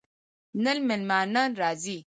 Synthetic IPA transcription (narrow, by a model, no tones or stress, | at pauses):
nɐlmɪlmaːnaːnɾaːzi